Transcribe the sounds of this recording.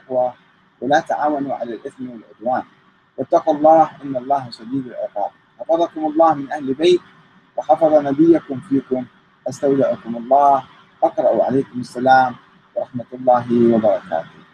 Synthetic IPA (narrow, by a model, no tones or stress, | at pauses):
ʔɪqwa | wɪlaːt̪aʕaːwanuʕa̰lalʔɪθmwalʕʊd̪waːn | wɪt̪ːɑqlˤːɑːhʔɪnːɑlˤːɑːhsad̪iːd̪alʕɪ̰qɑ̰ːb̚ħɑfɑðˤɑkʊmɑlˤːɑːhmɪnʔahlbeːt̪̚ | wɑħɑfɑðˤɑnabɪjːakʊmfiːkʊm | ʔast̪awlaʔʊkʊmɑlˤːɑːh | ʔɑqɾˤɑʔuʕa̰laːkʊmasːalaːm | wɑɾˤɑħmat̪ɑlˤːɑːɦɪwɑbɑɾˤɑka̰ːt̪ʊ